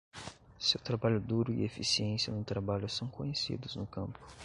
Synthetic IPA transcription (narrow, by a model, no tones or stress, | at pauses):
sewt̪ɾabaʎʊd̪uɾʊḭefisiẽsiɐnʊt̪ɾabaʎʊsɐ̃w̃kõɲesḭd̪ʊznʊkɐ̰̃mpʊ̥